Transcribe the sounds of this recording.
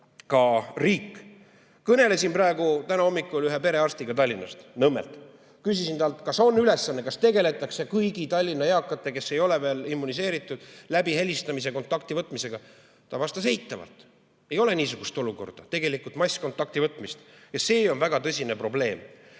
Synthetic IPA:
kɑriːkːˑ | kɤne̞le̞sinprɑe̞ɡut̪ænɑo̞mːikːˑulyɦepe̞ɾe̞ɑrst̪iɡ̥ɑt̪ɑlʲːinɑ̰st̪nɤmːelt̪ | kysisint̪ɑlt̪kɑso̞nːyle̞sːɑnːe̞kɑst̪e̞ɡe̞le̞t̪ːˑɑksekɤjɡit̪ɑlʲːinːɑjɑːkːˑɑt̪ːˑe̞ke̞sːe̞jo̞le̞ve̞ːlimːunis̬e̞ːɾit̪ːˑud̪̥læbiɦe̞lʲist̪ɑmis̬e̞ko̞nt̪ːˑɑk̚t̪ivɤt̪ːˑmise̞ɡ̥ɑ | t̪ɑvɑst̪ɑse̞jt̪ːˑɑvɑ̰lt̪ | e̞jo̞le̞niːsuɡ̥ust̪o̞luko̞̰rd̪̥ɑt̪e̞ɡe̞likult̪mɑjsʲko̞nt̪ːˑɑk̚t̪ivɤt̪ːˑmist̪jɑse̞ːo̞nvæɡ̥ɑt̪ɤsʲine̞pro̞ble̞ːm

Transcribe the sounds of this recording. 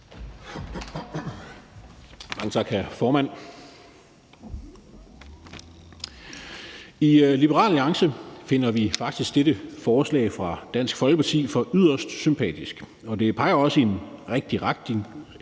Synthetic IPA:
mɑ̈ŋət͡sʰɑ̈ɡ̥hæɐfɒːmæn̰ | ilib̥əʁɑ̰̈ːlːɑ̈ŋsəfe̝n̰ɐʋifɑ̈ɡ̥̚d̥isɡ̥d̥eɾəfɒːslɛ̰ːɪfʁɑ̈d̥æn̰sɡ̥fɒ̽lɡ̥əpʰɑ̈t͡sʰḭːfɒ̽ʔyð̞̰ˠɐsd̥sympʰɛ̰ːd̥isɡ̥ | ɒ̽d̥e̝pʰɑ̈ɪɐɒ̽səe̝nʁeɡ̥̚d̥iʁḁ

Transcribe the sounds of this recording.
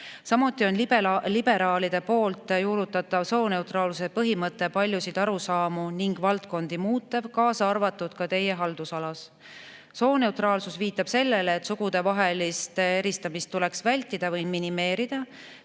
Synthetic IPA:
sɑmut̪ːˑio̞nlilibe̞ɾɑːlid̪̥e̞po̞ːlt̪ːˑjuːɾut̪ːˑɑt̪ːˑɑvso̞ːne̞wt̪rɑːlsusepɤɦimɤt̪ːˑe̞pɑlʲjusid̪̥ɑɾusɑːmuniŋɡ̥vɑlt̪ko̞nd̪̥imuːt̪ːˑev̥kɑːsɑɑrvɑt̪ːˑud̪̥kɑt̪e̞je̞ɦɑld̪̥usɑlɑs | so̞ːne̞ut̪rɑːlsusviːt̪ːˑɑb̥se̞lːe̞leːt̪suɡ̥ud̪̥e̞vɑɦe̞list̪ee̞ɾist̪ɑmist̪ːule̞ksvælʲt̪ːˑid̪̥ɑvɤjminime̞ːɾid̪̥ɑ

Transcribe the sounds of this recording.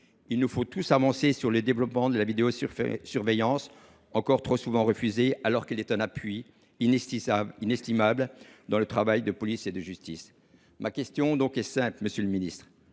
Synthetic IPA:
ilnufot̪usavɑ̃sesyʁləd̪evlɔpmɑ̃d̪əlavid̪eossyʁvejɑ̃s | ɑ̃kɔʁt̪χosuvɑ̃ʁəfyzealɔʁkilɛt̪ɛ̃napɥi | inɛst̪imabld̪ɑ̃lət̪χavajd̪əpɔlised̪əʒyst̪is | makʲɛst̪jɔ̃d̪ɔ̃kɛsɛ̃plməsjøləminist̪χ

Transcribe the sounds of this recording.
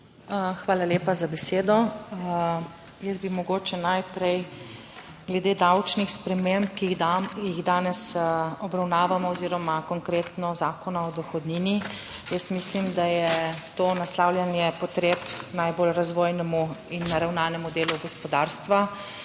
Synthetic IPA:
xʋaːlaleːpazabɛseːd̪ɔ | jəsbimɔɡoːt͡ʃɛnajpɾɛj | ɡlɛd̪eːd̪awt͡ʃnixspɾɛmempkiiɣd̪aːnɛsɔbɾawnaːʋamɔɔziːɾɔmakɔŋkɾeːt̪nɔzaːkɔnaɔd̪ɔxɔd̪niːni | jəst̪mislimd̪ajɛt̪oːnaslawljanjɛpɔt̪ɾeːpnajbolɾazʋoːjnɛmuinːaɾawnaːnɛmud̪eːluɡɔspɔd̪aːɾst̪ʋa

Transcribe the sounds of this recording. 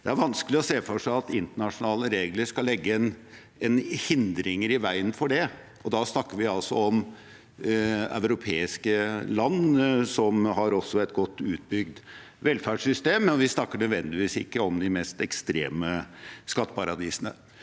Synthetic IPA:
d̪̥ɛæɾʋɑnskəlɪɔseːfɔʂæɪɑt̪ɪnt̪əɳɑʂʊnɑːləɾeːɡləʂkɑlːɛɡːəɛn | ɛnhɪnd̪ɾɪŋəɾɪʋæɪənfɔɖɛ | ɔd̪ɑsnɑkːəɾʋɪɑlsɔɔm | œ̰ʉɾʊpʰeːɪskəlɑnːsɔmɦɑɾɔsːɔɛt̪ɡɔt̪ːʉːt̪̚bʏɡd̪ | ʋɛlfæɖʂsʏst̪eːməɔʋɪsnɑkːəɳœd̪ʋɛnd̪ɪʋiːsɪ̰kːəɔmd̪ɪmɛst̪ɛkst̪ɾeːməskɑt̪ːə̥pɑɾɑd̪iːsənə

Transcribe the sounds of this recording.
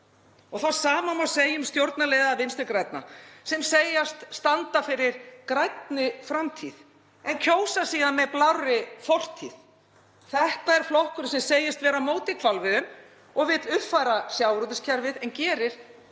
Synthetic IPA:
ɔɣθawsaːmamawseːjʏmst̪jowɾt̪naleːjðavɪnst̪ʏɾkɾajt̪̚na̰sɛmseːjast̪st̪ant̪afɪɾɪɾ̥kɾajt̪nɪfɾamt̪ʰið | ɛncʰoːwsasiːɣanmɛðplawrɪfɔr̥t̪ʰḭð | θɛht̪aɛɾ̥flɔhkʏɾsɛmseːjɪst̪vɛːɾamoːwt̪ɪkʰvalvɪðʏm | ɔɣvɪt̪lʏht̪fajɾasjawɾut̪ɪscʰaɾvɪðɛncɛːɾɪɾ̥

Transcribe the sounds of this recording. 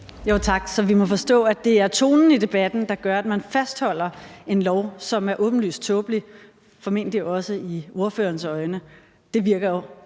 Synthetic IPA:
jot͡sʰɑ̈ɡ̥sɒ̽ʋimɒ̽fɒ̽sd̥ɔ̰̽ːæd̥e̝æɐt͡sʰo̝̰ːnn̩id̥e̝b̥æd̥n̩d̥ɑ̈ɡ̥ɶɐæd̥mænfæsd̥hɒ̽l̰ɐe̝nlɒʊsɒ̽mæɐʔɔ̽ːb̥n̩ly̰ːs̚t͡sʰɔ̽ːb̥li | fɒ̽me̝n̰d̥liʔɒ̽səio̝ɐfø̰ːɐnsɒ̽ɪnə | d̥e̝ʋiɐɡ̥ɐjo

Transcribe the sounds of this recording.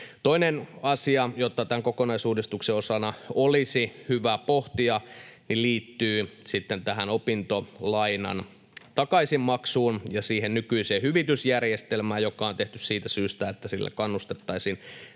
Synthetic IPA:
t̪oinenɑsiɑjot̪ːɑt̪æŋkokonɑisuːdist̪ukseosɑnɑolisihyʋæpoht̪iɑniliːt̪ːyːsit̪ːent̪æɦænopint̪olɑinɑ̰n | t̪ɑkɑisimmɑksuːnjɑsiːhennykyiseːhyʋit̪ysjærjest̪elmæːjokˑɑont̪eht̪yssiːt̪æsyːst̪æet̪ːæsilːæ̰kɑnːust̪et̪ːɑisin

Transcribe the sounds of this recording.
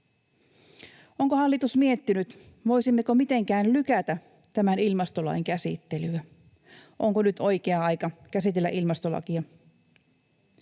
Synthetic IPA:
oŋkohɑlːit̪usmiet̪ːinyt̪ | ʋo̞jsimːekomit̪e̞ŋkæːnlykæt̪æ | t̪æmænilmɑst̪olɑ̰jŋkæsḭt̪ːe̞lyæ | ʔo̞ŋkonyt̪ʰo̞jkeɑɑjkɑkæsit̪e̞lːæ̰ʔilmɑst̪o̞lɑ̰kiɑ

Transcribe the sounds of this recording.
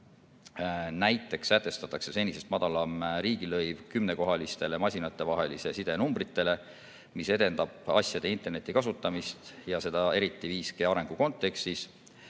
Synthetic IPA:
næjt̪ːˑe̞ksːæt̪ːe̞st̪ɑt̪ːˑɑkse̞se̞nʲːise̞st̪mɑd̪̥ɑlɑmɾiːɡ̥ilɤjvkymne̞ko̞ɦɑlist̪e̞le̞mɑsʲinɑt̪ːˑe̞vɑɦe̞lise̞sid̪e̞numbrit̪ːˑe̞le̞ | mise̞d̪e̞nd̪̥ɑb̥ɑ̰sʲjɑd̪e̞int̪erne̞t̪ːˑikɑsut̪ːˑɑmist̪jɑse̞d̪̥ɑe̞ɾit̪ːˑiviːskeɑɾe̞ŋɡ̥uko̞nt̪ːe̞kst̪is

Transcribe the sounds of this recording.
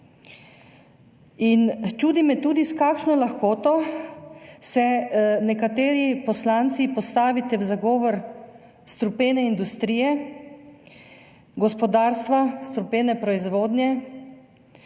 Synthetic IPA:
int͡ʃuːd̪imɛt̪uːd̪iskaːkʃnɔlaxkoːt̪ɔ | sɛnɛkat̪eːɾipɔslaːnt̪sipɔst̪aːʋit̪ɛwzaɡɔːʋɔɾ | st̪ɾupeːnɛind̪ust̪ɾiːjɛ | ɡɔspɔd̪aːɾst̪ʋast̪ɾupeːnɛpɾɔizʋoːd̪njɛ

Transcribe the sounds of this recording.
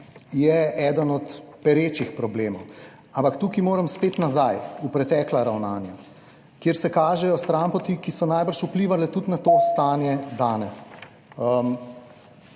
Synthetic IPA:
jɛɛd̪ənɔt̪pɛɾeːt͡ʃixpɾɔbleːmɔw | ampakt̪ukimoːɾəmspeːt̪nazajupɾɛt̪ɛːklaɾawnaːnja | kjeːɾsɛkaːʒɛjɔst̪ɾampɔt̪ikisɔnajbəɾʃupliːʋalɛt̪ut̪nat̪oːst̪aːnjɛd̪aːnɛs | əm

